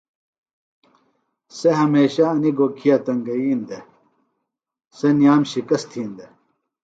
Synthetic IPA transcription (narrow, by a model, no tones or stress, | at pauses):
seɦɐmeːɕaɐniɡoːkʰijat̪ɐŋɡɐiːnd̪e | senijaːmɕikɐst̪ʰiːnd̪e